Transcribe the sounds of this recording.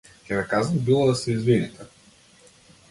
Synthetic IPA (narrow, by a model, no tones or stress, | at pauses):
kʲɛβɛkazɐnbilˠɔd̪asɛizvinit̪ɛ